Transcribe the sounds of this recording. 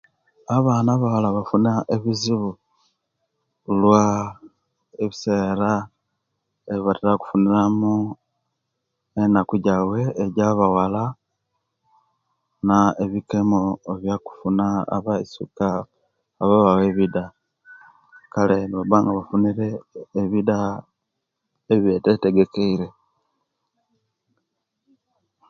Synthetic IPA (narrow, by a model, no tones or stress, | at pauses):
aβaːnaβawalaβafunaʔeβiziβu | lwa | eβiseːɾa | eβatiɾaku̥funiɾamu | enakuɟawe̞ːɟaβawala | naeβike̞mo̞eβjaku̥funaa̰βaisukaː | βaβaweβida | kale̞βaβaːŋɡaβafuniɾe̞ːβida | eβjetete̞ɡe̞keiɾe̞